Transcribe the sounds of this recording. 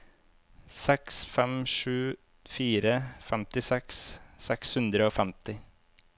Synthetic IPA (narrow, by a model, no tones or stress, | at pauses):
sɛksfɛmʂʉː | fiːɾəfɛmt̪ɪsɛkssɛkshʉnd̪ɾəoːfɛmt̪ɪ